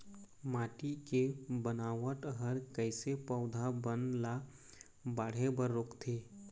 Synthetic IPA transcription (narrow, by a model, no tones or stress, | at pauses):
maːʈikebənaːwəʈɦəɾkəɪsepəʊd̪ʱabənla | baːɽ̤ebəɾːʊːkt̪ʰeː